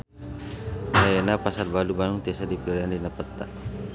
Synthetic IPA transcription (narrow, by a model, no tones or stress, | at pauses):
najenapasarbalubanuŋt̪iasadiplɔɾandinapət̪ːa